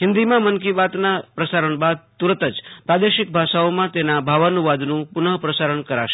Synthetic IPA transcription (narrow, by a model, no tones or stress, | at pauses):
ɦɪ̃nd̪imãmənkibat̪napɾəsaɾəɳbad̪̚t̪uɾət̪əd͡ʒpɾad̪eʃɪk̚bʱaʃaomãt̪enabʱaʋənuʋad̪nũpʊnəpɾəsaɾəɳkəɾa̰ʃe̥